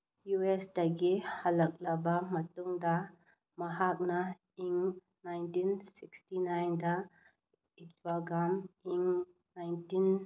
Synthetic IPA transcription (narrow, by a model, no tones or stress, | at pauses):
juɛsdaɡihalɐk̚labamɐt̪uŋda | maɦak̚na | iŋ | najntinsikstinajnda | itwaɡɾamiŋ | najntin